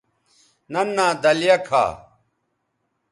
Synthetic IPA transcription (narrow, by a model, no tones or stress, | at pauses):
nɐnːaːd̪ɐljɐkʰa̰ː